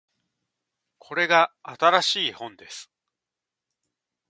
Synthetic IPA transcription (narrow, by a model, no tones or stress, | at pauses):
kʰo̞ɾe̞ɡaat̪aɾaɕiːhõ̞nd̪e̞sɨ̥